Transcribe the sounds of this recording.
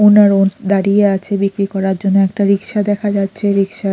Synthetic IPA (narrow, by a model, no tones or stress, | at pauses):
onaɾond̪aɽieat͡ɕʰebikɾikɔɾaɾd͡ʑonːoɛkʈaɾikʃad̪ɛkʰad͡ʑatːɕʰeɾikʃa